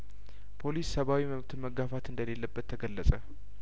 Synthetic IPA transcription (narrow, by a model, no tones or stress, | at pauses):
pʰo̞lissəβawiməβt̪ʰɨməɡafat̪ɨnd̪əle̞lːəbːət̪ʰːəɡəlːəsʼə